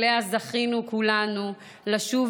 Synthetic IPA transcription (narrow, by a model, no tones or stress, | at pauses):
eazaχinukulanu | laʃuv